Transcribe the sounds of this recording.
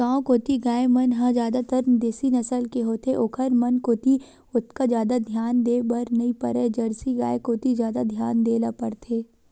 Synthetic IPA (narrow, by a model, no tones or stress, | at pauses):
kãːkoːt̪iɡaːemɐnɦãd͡ʒjaːd̪at̪əɾnd̪eːsinɐsəlkeɦoːt̪eʔoːkʰəɾmɐnkoːt̪i | ʊt̪̚ʰkad͡ʒjaːd̪ad̪ʱjaːnd̪eːbɐɾnɐɦĩpɐ̰ɾed͡ʒɐɾsiɡa̰ːekoːt̪izjaːd̪ad̪ʱjaːnd̪eːlapəɾt̪ʰeː